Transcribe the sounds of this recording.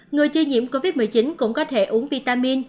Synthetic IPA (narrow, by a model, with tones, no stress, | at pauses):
ŋɨ˨˩əjt͡ɕi˧ɲḭ˧˨əmko˧vi˦˥t̚mɨ˨˩əjt͡ɕi˨˦nkʊ̰˧˥ŋ͡mkɔ˨˦t̪ʰe˧˩ʔu˨˦əŋvi˧t̪aː˧mi˧n